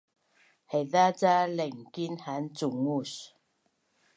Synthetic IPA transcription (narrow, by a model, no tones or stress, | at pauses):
hɛðat͡saleŋkinhant͡suŋus